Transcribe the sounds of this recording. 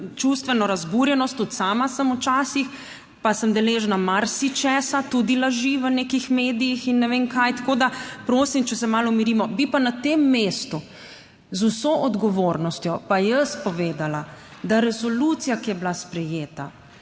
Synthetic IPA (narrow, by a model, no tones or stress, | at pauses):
t͡ʃust̪ʋɛnɔɾazbuɾjɛnɔst̪ːut̪saːmasəmut͡ʃaːsix | pasəmd̪ɛleʒnamaɾsit͡ʃɛːsat̪ud̪ilaʒiʋənekixmeːd̪ijixinːɛʋemkajt̪ḁkoːd̪apɾoːsimt͡ʃɛsɛmalɔmiɾimɔbipanat̪emːeːst̪u | zusoʔɔd̪ɡɔʋoːɾnɔst̪jɔpajəspɔʋeːd̪alad̪aɾɛsɔlut̪sijakijɛblaspɾɛjeːt̪a̰